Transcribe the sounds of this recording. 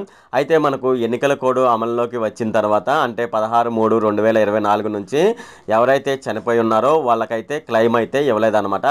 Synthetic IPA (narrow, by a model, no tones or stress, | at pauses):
ɐjit̪e̞ːmɐnɐkue̞nːikɐlɐkoːɽuɐmɐlɐlo̞ːkiʋɐt͡ʃːinɐt̪ɐɾuʋaːt̪ɐːɳʈe̞ːpɐd̪ɐɦaːɾumuːɽuɾe̞ɳɖuʋɛːlɐiɾɐʋɐjnaːluɡunuɲt͡ʃi | ɛʋɐɾɐjt̪e̞ːt͡ʃɐnipoːjunːaːɾo̞ːʋaːɭːɐkɐjit̪e̞ːklɐjmɐjit̪e̞ːiʋɐleːd̪ɐnɐmaːʈɐ